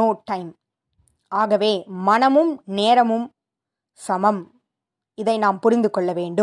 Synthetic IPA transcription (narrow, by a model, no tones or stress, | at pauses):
oːʈːɐɪm | aːɣɐʋeːmɐnɐmɯmneːɾɐmɯm | sɐmɐm | ɪðɐɪnaːmpʊɾɪnd̪ɯkːɔɭːɐʋeːɳɖɯ